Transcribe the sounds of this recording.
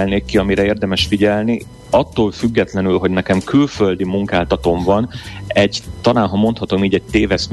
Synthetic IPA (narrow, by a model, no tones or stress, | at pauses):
lneːkːiɒmiɾɛeːrd̪ɛmɛʃfiɟɛlni | ɒt̪ːoːlfyɡːɛt̪lɛnylɦo̞ɟnɛkɛmkylfø̞ld̪imuŋkaːlt̪ɒt̪o̞ɱvɒnɛɟt̪ɒnaːnɦɒmo̞nt̪hɒt̪o̞miːɟɛɟ̚t̪eːvɛsm